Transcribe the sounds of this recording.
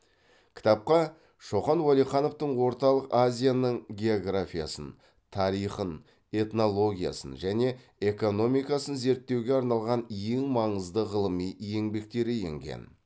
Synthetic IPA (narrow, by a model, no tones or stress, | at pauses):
kʲʰɪ̥t̪ɑp̚qɑ | ʃo̞χɑnwolˠijχɑno̞ft̪əɴwo̞ɾt̪ɑlˠəqazʲijanəɴɡʲe̞o̞ɡrafʲija̰sən | t̪ʰɑɾijχən | e̞t̪no̞lˠo̞ɡʲija̰sə̰nʒæne̞ | e̞ko̞no̞mijkɑsənze̞ɾt̪ːewɡʲe̞ɑɾnɑlˠʁɑnjeŋmɑɴəzd̪əʁəlˠəmijje̞ŋbe̞k̚t̪e̞ɾɪje̞̰ŋɡʲḛn